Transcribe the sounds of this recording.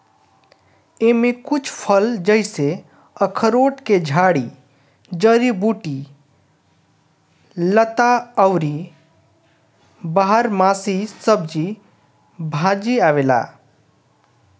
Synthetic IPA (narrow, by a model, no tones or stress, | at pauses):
emẽkʊt͡ʃʰpʰəld͡ʒəɪse | əkʰəɾoːʈked͡ʒʱaːɽi | d͡ʒəɾibuːʈi | lət̪aəwɾi | baɦəɾmasisəbd͡ʒi | bʱãd͡ʒiaːʋela̰ː